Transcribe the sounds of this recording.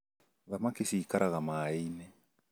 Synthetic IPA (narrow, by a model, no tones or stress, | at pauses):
ðamakisiːkaɾaɣamaːinɛ